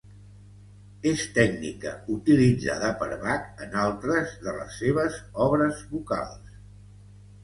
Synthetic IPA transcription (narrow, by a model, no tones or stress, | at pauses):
est̪ɛɡnikə̰ut̪ilid͡za̰ðəpə̰ɾβakənalˠt̪ɾəzðələ̰sːeβ̞əzɔβɾəzβuka̰lˠs